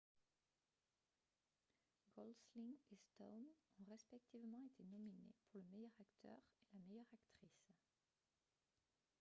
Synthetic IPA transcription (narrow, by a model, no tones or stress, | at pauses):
ɡɔlsliŋest̪ɔwnɔ̃ʁɛspɛk̚t̪ivmɑ̃et̪ʰenɔminḛpuʁləmejœʁakt̪ʰœ̰ʁelamejœʁakt̪χis